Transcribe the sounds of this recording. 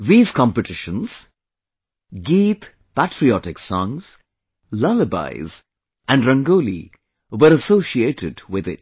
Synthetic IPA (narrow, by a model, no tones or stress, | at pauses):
ðiːz̥kʰɑ̃mpəʈʰɪʃə̃nz̥ | ɡiːt̪ | pæʈʰɾiɔʈɪksɔ̃ŋz̥ | lʌləba̰ɪz | ʔæ̃nɖɾʌ̃ŋɡolḭ | wəɾəsoːʃieːʈʰɪdwɪðɪ̰t̚